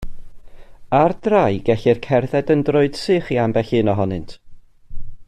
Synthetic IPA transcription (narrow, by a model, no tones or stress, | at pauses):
ardrajɡɛɬɪrkʰɛrðɛdəndroɨd̥sɨːχiambɛɬɨnɔɦɔnɨntʰ